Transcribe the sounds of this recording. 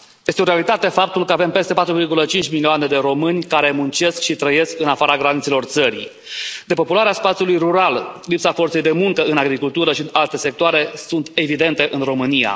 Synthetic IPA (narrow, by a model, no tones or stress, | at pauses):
je̞st̪eo̞ɾealit̪at̪e̞fap̚t̪ulkəave̞mpe̞st̪e̞pat̪ɾuvirɡulət͡ʃint͡ʃʲmilioane̞d̪e̞ɾo̞mɨnʲkaɾe̞munt͡ʃe̞skʃit̪ɾəje̞skɨnafaɾaɡɾanit̪selo̞rt̪səɾḭ | d̪̥e̞po̞pulaɾeaspat̪siulujruɾallipsafo̞rt̪se̞jd̪e̞muŋkəɨnaɡɾikult̪uɾəʃiɨnalt̪e̞se̞k̚t̪oaɾe̞sunt̪e̞vid̪e̞nt̪e̞ʔɨnro̞mɨnija̰